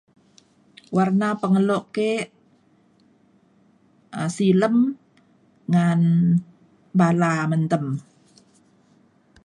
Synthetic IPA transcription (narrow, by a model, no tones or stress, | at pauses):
warnapəŋəloʔkeʔ | əsiləm | ŋan | balamənt̪əm